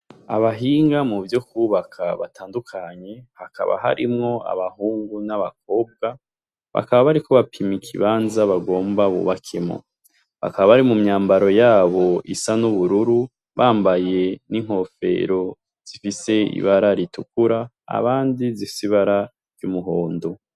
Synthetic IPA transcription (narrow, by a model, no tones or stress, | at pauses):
aβaɦiːŋɡamuvjo̞kuβakʰaβataːndukʰaɲe̞haka̰βa̰ɦa̰ɾimŋo̞a̰βahuːŋɡunaβak̚o̞ːb̚ɡa | βa̰kaβaβaɾiko̞βapʰimikʰiβaːnzaβaɡo̞ːmbaβṵβakʰemŋo̰ | βa̰kaβaβaɾimumɲaːmbaɾo̞jaːβo̞isanuβuɾuɾu | βaːmbaje̞niŋ̥ho̞fe̞̰ɾo̞ | z̥ifise̞ḭβaɾaɾitukuɾa | a̰βaːndizifi̥siβaɾa | ɾjumuɦo̞ːndo